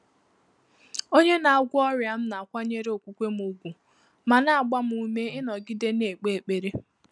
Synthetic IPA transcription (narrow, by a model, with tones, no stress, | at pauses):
o˦ɲe˦na˨a˨ɡʷʊ˦ɔ˦ɾja˨m̩˦na˨kʷa˦ɲe˦ɾe˦o˨kʷu˨˦kʷe˦m̩˦u˨ɡʷu˨ | ma˨na˨a˨ɡ͡ba˦m̩˦u˨me˦ɪ˦nɔ˨ɡɪ˦de˦ne˨k͡pe˨e˨k͡pe˨ɾe˦